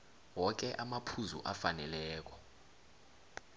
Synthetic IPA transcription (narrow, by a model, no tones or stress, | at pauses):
wɔk̬ɛʔamapʰuzṵʔafanɛlɛːk̬ɔ̥